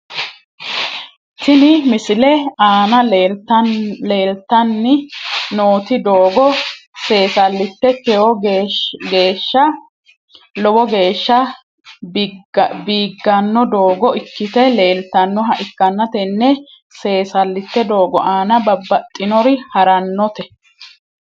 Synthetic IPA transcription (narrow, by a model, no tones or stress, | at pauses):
t̪ɪnɪmɪsɪlɛaːnɐ | le̞ːlt̪ːɐnːɪnoːt̪ɪd̪oːɡɔse̞ːsɐlːɪt̪ːɛkɛwɔ | ɡe̞ːʃːɐ | lɔwɔɡe̞ːʃːɐ | biːɡːɐnːɔd̪o̞ːɡɔɪkːɪt̪ɛle̞ːlt̪ɐnːɔɦɐʔɪkːɐnːɐt̪ɛnːɛ | se̞ːsɐlːɪt̪ːɛd̪o̞ːɡɔʔaːnɐbɐbːɐt̪ʼːɪnɔɾɪhɐɾɐnːɔt̪ɛ